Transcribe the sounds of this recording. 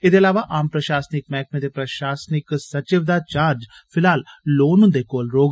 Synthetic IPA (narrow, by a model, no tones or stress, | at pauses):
ed̪eəlaːʋaʔaːmpɾəʃaːsnɪkmɛːk̚mẽːd̪eːpɾəʃaːsnɪksət͡ʃɪʋd̪aːt͡ʃaːɾd͡ʒ | pʰɪlaːlloːnʊ̃d̪eːkoːlɾoːɡ